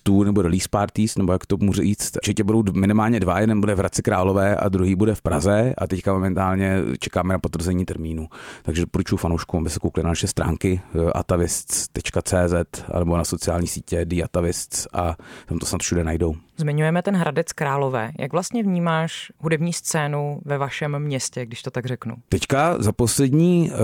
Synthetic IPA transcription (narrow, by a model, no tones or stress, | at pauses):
t̪uːnɛbodlispaːɾt̪iːsnɛbo̞jakt̪omuːʒɛjiːt͡st̪t͡ʃɛcɛbudo̞wmɪnɪmaːlɲɛdvajɛdɛnbudɛvɾat͡sɪkɾaːlo̞vɛːʔa̰d̪ɾuɦiːbudɛfpɾazɛʔa̰t̪ɛckamomɛnt̪aːlɲɛt͡ʃɛkaːmɛnapot̪vr̩zɛɲiːt̪ɛɾmiːnut̪aɡʒɛpoɾut͡ʃufanowʃkumʔabɪsɛkowklɪnanaʃɛst̪ɾa̰ːŋkɪʔa̰t̪avɪst͡st̪ɛt͡ʃkat͡sɛːzɛt̪a̰nɛbo̞naso̞t͡sɪjaːlɲiːsiːcɛdiat̪avɪst͡sʔat̪amt̪osnat̪fʃudɛnajdo̞wzmɪɲujɛmɛt̪ɛnɦɾadɛt͡skɾaːlovɛ̰ːja̰ɡvlast̪ɲɛvɲiːmaːʃɦudɛbɲiːst͡sɛːnuvɛvaʃɛmːɲɛscɛɡ̚dɪʃt̪ot̪aɡrɛknṵt̪ɛckazaposlɛdɲiː